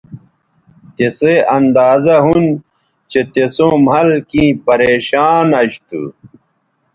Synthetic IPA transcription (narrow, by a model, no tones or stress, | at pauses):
t̪eseɐnd̪aːzɐɦun | t͡ɕet̪esõːmɦɐlkĩːpɐɾeːɕaːnɐɕt̪ṵ